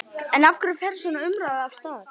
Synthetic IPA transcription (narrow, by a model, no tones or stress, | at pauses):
ɛnafkʏɾɪfɛɾ̥svɔnaʏmɾaðafst̪aːðɾ̥